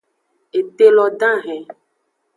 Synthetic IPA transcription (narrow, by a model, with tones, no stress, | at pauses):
e˨t̪e˦lɔ˨ɖã˦ɦɛ̃˨